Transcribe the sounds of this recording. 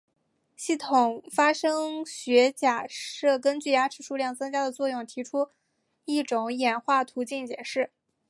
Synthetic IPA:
ɕi˥˩t̪ʰʊ˨˩ŋfa˥ʂɤ˥ŋɕɥɛ˧˥t͡ɕja˨˩ʂɤ˥˩kə˥nt͡ɕy˥˩ja˥ʈ͡ʂʰɻ̩˥˩ʂu˥ljɑ˥˩ŋt͡sɤ˥ŋt͡ɕja˥d̪ə˨t͡swɔ˥˧jʊ˥˩ŋt̪ʰi˧˥ʈ͡ʂʰu˥ | i˥˩ʈ͡ʂʊ˨˧˩ŋjɛ˨˩nxwa˥˩t̪ʰu˧˥t͡ɕi˥˩nt͡ɕjɛ˨˩ʂɻ̩˥˩

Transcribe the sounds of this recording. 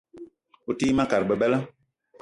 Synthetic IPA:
u˨tiː˦mã˦ka˨ɾbɛ˨bɛ˦la˦

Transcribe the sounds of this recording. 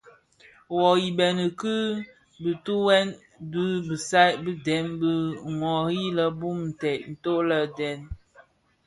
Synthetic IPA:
wɔ˨ji˨bɛ˨nə˨kɨ˦ | bə˨tu˦wɛ˦n | du˦bə˨sa˦bə˦dɛ˨˦nbə˦ŋwɔ˨ɾi˦lə˨bu˦˨mn̩˨tɛ˨ʔn̩˨to˦lə˦dɛ˨˦n

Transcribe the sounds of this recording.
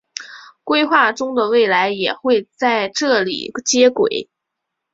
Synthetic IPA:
kwe˥ɪxwa˥˩ʈ͡ʂʊ˥ŋd̪ə˨we˥˩ɪla˧˥ɪjɛ˨˩xwe˥˧ɪt͡sa˥˧ɪʈ͡ʂɤ˥˩lḭ˨˩t͡ɕjɛ˥kwḛ˨˩˦ɪ

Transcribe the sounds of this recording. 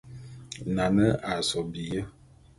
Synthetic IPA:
na˨nə˦ʔa˨sɔ˨bi˨jə˦

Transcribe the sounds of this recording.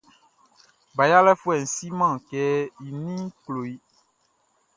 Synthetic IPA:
ba˨ja˦lɛ˦fu˦ɛ˨n̩˨si˦mã˦˨kɛ˦ji˨nĩ˦k͡plo˨i˦

